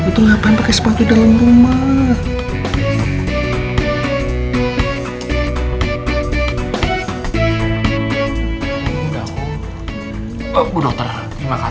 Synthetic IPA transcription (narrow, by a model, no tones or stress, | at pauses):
it̪uŋapaanpakɛsə̥pakidalamrumah | uda | budɔk̚t̪ər | imaka